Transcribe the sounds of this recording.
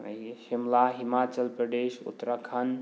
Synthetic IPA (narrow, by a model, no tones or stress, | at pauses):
ʃimlaɦimat͡ʃəlpɾəɖeʃṵt̪ɾəkʰən